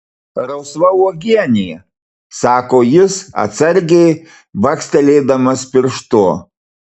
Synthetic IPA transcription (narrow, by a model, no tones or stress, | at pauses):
ɾɐʊsʋɐuɔɡʲiɛnʲɪjɛ | sɑːkoːjɪsɐ̰t̪sɐɾʲɡʲɛɪ | ʋɐksʲt̪ʲɛlʲeːd̪ɐmɐspʲɪɾʃt̪oɔ